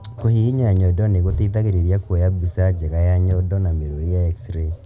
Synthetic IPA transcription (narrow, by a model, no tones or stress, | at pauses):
kohiiɲaaɲɔdɔneɣoteitaɣeɾeɾjakwojabisad͡ʒeɣajaɲɔdɔnameɾoɾijaeksɾe